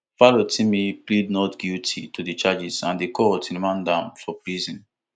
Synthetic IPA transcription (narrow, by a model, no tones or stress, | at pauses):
falotʰĩmiplidnɔtɡ̥utʰitʰudit͡ʃad͡ʒizãndikʰɔtĩnmãndãnfɔpɹizɔ̃n